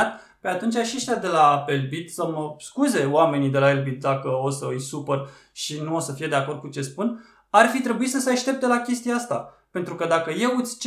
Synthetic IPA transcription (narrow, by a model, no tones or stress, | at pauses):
at̪ | pe̞at̪unt͡ʃʲaʃieʃt̪ead̪e̞lapelbit̪səməskuze̞oame̞nid̪e̞laelbit̪̚d̪akəo̞səɨjsupər | ʃinuo̞səfije̞d̪e̞ako̞rd̪̚kut͡ʃe̞spun | arfit̪ɾe̞buisəseaʃt̪e̞p̚t̪e̞lakʲe̞st̪ijaast̪apent̪ɾukəd̪akəje̞ut̪sʲt͡ʃ